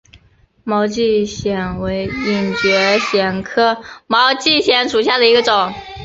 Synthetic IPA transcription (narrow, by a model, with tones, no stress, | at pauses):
mɑ˧˥ʊt͡ɕi˥˩ɕjɛ˨˩nwe˧˥ɪi˨˩ŋt͡ɕɥɛ˧˥ɕjɛ˨˩nkʰɤ˥˩mɑ˧˥ʊt͡ɕi˥˩ɕjɛ˧˥nʂu˨˩ɕja˥˩d̪ə˩i˧˥ɡə˧ʈ͡ʂʊ˨˩˦ŋ